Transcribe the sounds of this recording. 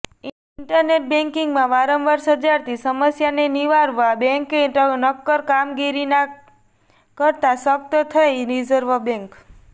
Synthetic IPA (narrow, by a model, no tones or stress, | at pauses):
ɳʈəɾneʈ̚bẽŋkiŋɡmãʋaɾəmʋaɾsəd͡ʒaɾt̪isəməsjaneniʋaɾʋabɛ̃ŋkenəkːəɾkamɡiɾina | kəɾt̪asək̚t̪ət̪ʰəelɾid͡ʒəɾʋəbɛ̃ŋk